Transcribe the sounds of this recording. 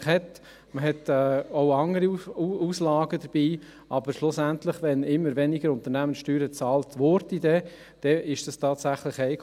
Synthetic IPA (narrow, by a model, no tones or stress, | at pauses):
χhɛt | məɦɛtɛːoʊɑŋːəɾiuuːslɑːɡəd̪əɾb̥iː | ɑb̥əɾʃlʊsæntlɪχʋɛnɪmːəɾvɛniɡəɾʊnt̪əɾnæmənʃtyːɾət͡sɑːltʋɔɾtid̪ɛ | d̥ɛɪʃd̥ɑstʰɑːtsæχləχɛɪk